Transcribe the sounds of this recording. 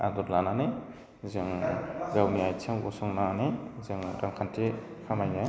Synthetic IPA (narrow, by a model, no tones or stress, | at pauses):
a̰dɔplanane | zeŋɡawniajtʰaŋɔsɔŋnanezeŋɾaŋkʰantʰe | kʰamajnaj